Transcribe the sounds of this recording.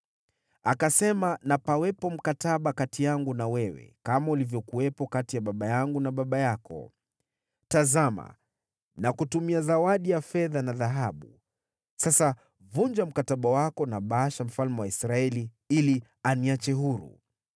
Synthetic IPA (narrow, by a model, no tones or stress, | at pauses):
akasɛmanapawɛpɔm̩kataɓakatijaŋɡunawɛwɛ̰kamaulivjɔkuwɛpɔkatijaɓaɓajaŋɡunaɓaɓajakɔ̰ | tazama̰ | nakutumiazawaɗijafɛðanaðaɦaɓu | sasa | vuɲd͡ʒam̩kataɓawakɔnaɓaaʃam̩falmɛwaisɾaɛli | ili | aniat͡ʃɛɦuɾṵ